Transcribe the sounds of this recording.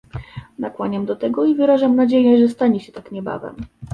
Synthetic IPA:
nakwaɲɛmd̪ɔt̪ɛɡɔivɘɾaʐamnad͡ʑejɛʐɛst̪aɲɛɕɛt̪akɲɛba̰vɛ̰m

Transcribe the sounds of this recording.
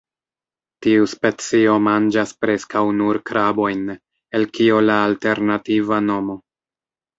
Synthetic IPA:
tiuspe̞t͡sio̞mand͡ʒaspɾe̞skawnuɾkɾabo̞jn | e̞lkio̞laːlte̞ɾnativano̞mo̞

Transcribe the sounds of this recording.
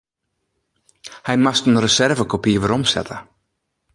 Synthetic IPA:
hɛjmastənrəsɛrvəkopiʋəɾɔmsɛ̰tʰə

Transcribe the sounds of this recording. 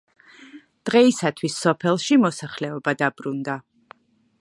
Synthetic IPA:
d̪̥ʁɛisat̪ʰwisːɔpʰɛlˠʃimɔsaχlɛɔbad̪abɾund̪a

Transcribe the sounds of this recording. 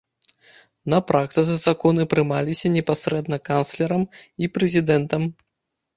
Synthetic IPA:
nɐpɾak̚t̪ɨt̪sɨzakɔnɨpɾɨmalʲisʲɐnʲɛpasɾɛd̪nɐkanslʲɛɾɐmipɾɛzʲid̪ɛnt̪ɐm

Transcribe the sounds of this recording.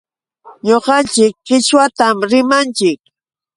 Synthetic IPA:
ɲoqɑnt͡ʃɪkɢɪʃwat̪amɾɪmant͡ʃɪk̚

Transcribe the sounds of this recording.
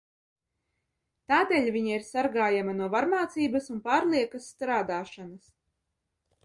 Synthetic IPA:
t̪aːd̪eʎʲviɲaiɾsaɾɡaːjamɐnuɔvaɾmaːt̪siːbɐsunpaːɾlˠiɛkɐsːt̪ɾaːd̪aːʃanɐs

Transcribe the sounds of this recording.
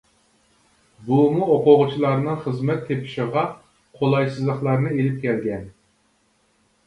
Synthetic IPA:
bumuoqʊʁʊt͡ʃʰilˠɑɾnɨŋχəzmɛt̪ʰːepʰɪ̥ʃɪʁɑ | qʰolˠɑjsɨzlˠəχlˠɑɾnɨelɪp̚kʲʰɛlɡʲɛn

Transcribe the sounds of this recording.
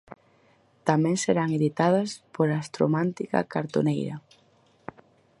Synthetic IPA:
t̪amɛ̃ŋseɾaŋeðit̪að̞ɐspoɾaːst̪ɾo̰mant̪ikɐ̰kaɾt̪o̰nejɾɐ̰

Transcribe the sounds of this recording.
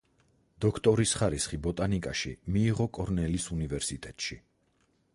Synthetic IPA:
d̪̥ɔkʰt̪ʼɔɾisχaɾisχibɔt̪ʼanikʼaʃḭmiːʁɔkʼɔɾnɛlisunivɛɾsit̪ʼɛt̪ʼʃi

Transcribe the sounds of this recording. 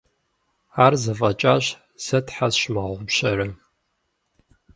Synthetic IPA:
aːrzɐfʼɐt͡ʃʼaɕ | z̥ɐtʰħazɕmaːʁʷʊbɕɐrɐ

